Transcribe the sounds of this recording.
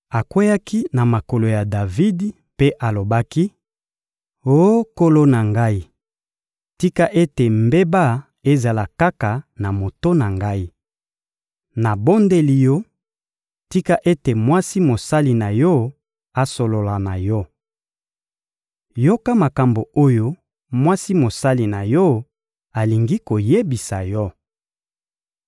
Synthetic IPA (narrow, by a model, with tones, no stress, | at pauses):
a˨kwe˦ja˦ki˦na˨ma˨ko˨lo˨ja˨da˨vi˦d | pe˦ʔa˨lo˨ba˦ki˦ | o˦ko˦lo˦na˨ŋɡa˦i˦ | ti˦ka˦ʔe˦te˨mbe˦ba˦ | e˦za˨la˨ka˦ka˨na˨mo˨to˦na˨ŋɡa˦i˦ | na˨bo˦nde˦li˨jɔ˦ | ti˦ka˦ʔe˦te˨mwa˦si˦mo˨sa˦li˨na˨jɔ˦ | a˨so˨lo˨la˨na˨jɔ˦ | jo˦ka˦ma˨ka˨mbo˨o˦jo˦ | mwa˦si˦mo˨sa˦li˨na˨jɔ˦ | a˨li˨ŋɡi˦ko˨je˦bi˨sa˨jɔ˦